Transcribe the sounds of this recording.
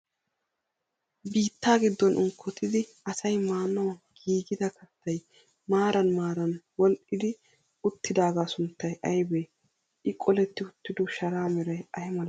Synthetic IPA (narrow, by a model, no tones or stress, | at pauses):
biːt̪ːaːɡɪd̪ːɔnʔʊŋkʰːɔt̪ʰɪd̪ɪ | ɐsɐjmaːnːɔɡ̥iːɡɪd̪ɐkʰɐt̪ʰːɐj | maːɾɐnmaːɾɐnwɔlʔɪd̪ɪ | ʊt̪ːɪd̪aːɡaːsʊnt̪ːɐjʔɐjbeː | ʔɪkʼɔlɛt̪ːɪʊt̪ːɪd̪ɔʃɐɾaːmɛɾɐjɐjɪmɐl